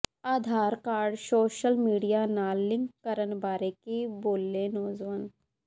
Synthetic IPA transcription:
aːd̪ʱaːɾkaːɾɖsoːʃəlmiːɖijanaːlːɪ̃ŋkkəɾənbaːɾekiboːlːẽnɔːzʋən

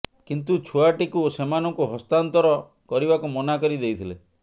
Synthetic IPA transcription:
kint̪ut͡ʃʰuaʈikusemanɔŋkuɦɔst̪ant̪ɔɾɔ | kɔɾibakumɔnakɔɾid̪ejt̪ʰile

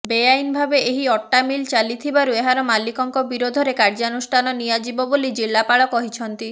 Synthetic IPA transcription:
bejajnbʱabeʔeɦiɔʈːamilt͡ʃalit̪ʰibaɾueɦaɾɔmalikɔŋkɔbiɾod̪ʱɔɾekaɾd͡ʒanusʈʰanɔnijad͡ʒibɔbolid͡ʒilːapaɭɔkɔɦit͡ʃʰɔnt̪i

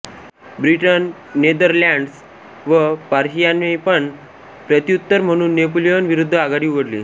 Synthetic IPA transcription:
bɾiʈənː | ed̪əɾlaɳɖs | ʋəpaɾɕijanepəɳ | pɾət̪ijut̪ːəɾm̤əɽ̃uːnːep̬olijonʋiɾud̪ʱːəaɡaɽiːuʋəɽliː

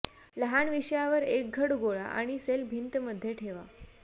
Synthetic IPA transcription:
ləɦanʋiɕjaʋəɾek̚ɡʱəɽɡoɭa̰ʔa̰ɽ̃iselbʱint̪məd̪ʱːjeʈʰeʋa

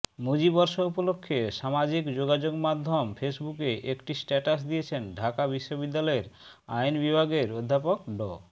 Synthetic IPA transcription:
mud͡ʑibɔɾʃoupolokʰːeʃamad͡ʑikd͡ʑoɡad͡ʑoɡmad̪ʱːomfesbukeʔekʈisʈɛʈas̬d̪ijet͡ɕʰenɖʱakabiʃːobid̪ːalɔeɾ | a̰jnbibʱaɡeɾod̪ʱːapokɖɔ

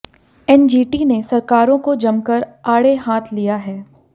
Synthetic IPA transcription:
ɛnd͡ʒiːʈinesɐɾkaːɾõkod͡ʒɐmkəɾaːɽeɦaːt̪ʰlijaɦɛː

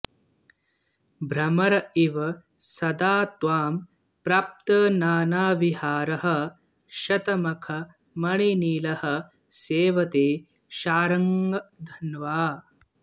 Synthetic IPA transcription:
bʱɾɐmɐɾɐiʋɐ | sɐd̪aːt̪ʋaːm | pɾaːp̚t̪ɐnaːnaːʋihaːɾɐɦɐ̆ | ʃɐt̪ɐmɐkʰɐ | mɐɳiniːlɐhɐ̆ | seːʋɐt̪eː | ʃaːɾɐŋɡɐd̪ʱɐnʋaː

